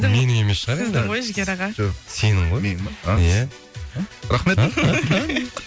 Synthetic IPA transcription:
me̞nɪŋe̞me̞sʃəʁɑɾe̞nd̪ɪʁojʒɪɡʲeɾɑʁɑʒoqse̞nɪŋʁojaja | ɾɑχme̞t̪

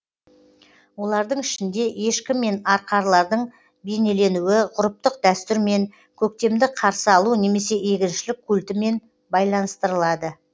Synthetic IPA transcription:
wo̞lˠɑɾd̪əɴɪʃɪnd̪e̞e̞ʃkʲɪmːe̞nɑɾqʰɑɾlˠɑɾd̪əɴ | be̞ne̞le̞nuɪʁʊɾəp̚t̪əq̚d̪æst̪ʏɾme̞ŋ | kʲʰɵk̚t̪e̞md̪ɪqʰɑɾsəɑlˠune̞me̞se̞e̞kʲɪnʃɪlɪkʲʰːult̪ɪme̞n | bɑjlˠɑnəst̪əɾəlˠɑd̪ə

